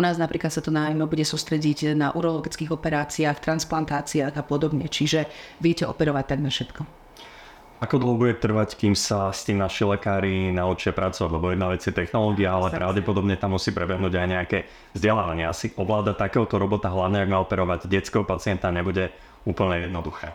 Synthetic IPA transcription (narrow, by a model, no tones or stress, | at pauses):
unaːznapɾiːklat̪sat̪ɔnaːjmɛbuɟɛsust̪ɾɛɟiɟnaʔuɾɔlɔɡit͡skiːɣɔpɛɾaːt͡siaːxt̪ɾansplant̪aːt͡siaːɣapɔd̪ɔbɲɛt͡ʃiʒɛʋɪɛcɛʔɔ̰pɛɾɔʋac̚t̪aɡnafʃɛt̪kɔ | akɔd̪lɔʊbuɛt̪r̩ʋackiːmsast̪iːmnaʃilɛkaːɾinaɔt͡ʃɪɛpɾat͡sɔʋaɟlɛbɔjɛd̪naʋɛt͡sɪɛt̪ɛxnɔlɔːɡiaalɛppɾʔaʊɟɛpɔd̪ɔbɲɛt̪amːusiːpɾɛbɛɦnuːɟajɲɛakɛ | vzɟɛlaːʋaɲɪaasiʔɔʋlaːd̪at̪akɛːɦɔt̪ɔɾɔbɔt̪aɦlaʊɲɛaɡmaɔpɛɾɔʋaɟɟɛt͡skɛɦɔpat͡sɪɛnt̪aɲɛbuɟɛ | uːpl̩ɲɛjɛd̪nɔd̪uxɛː